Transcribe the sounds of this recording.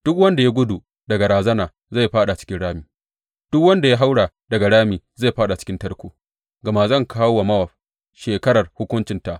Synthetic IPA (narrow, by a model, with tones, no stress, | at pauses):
d̥ʊ˦kwɐ˦nda˨ja˦ɡʷʊ˦du˨ | dɐ˨ɡa˨ɾaː˨zɐ˦naː˨ | za˦˨jɸaː˦ɗa˨t͡ʃɪ̥˦kʲɪ˦nɽaː˦miː˨ | d̥ʊ˦kwɐ˦nda˨ja˦ɦa˦wɽaː˨ | dɐ˨ɡa˨ɽaː˦miː˨za˦˨ɸaː˦ɗa˨t͡ʃɪ̥˦kʲɪ˦ntɐ˦ɽkʷoː˨ | ɡɐ˨ma˨zɐ˦˨ŋkʰaː˦wwa˨mɐ˦wɐ˨ɸ | ʃeː˨kɐ˦ɾɐ˨rhʊ˦kʷʊ˦nt͡ʃɪ˨nta˨ʔ